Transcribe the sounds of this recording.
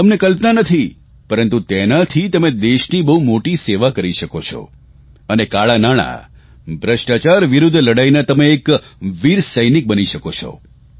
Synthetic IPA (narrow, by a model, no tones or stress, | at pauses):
t̪əmnekəlpnanət̪ʰi | pəɾənt̪ut̪enat̪ʰit̪əmed̪eʃnibəɦumoʈiseʋakəɾiʃəkot͡ʃʰɔ̰ | ənekaɭanaɽ̃a̰ | bʱɾəʃʈat͡ʃaɾʋiɾʊd̪ʱːləɽajnet̪əmeːkʋiɾsəjnik̚bəniʃəkot͡ʃʰɔ̰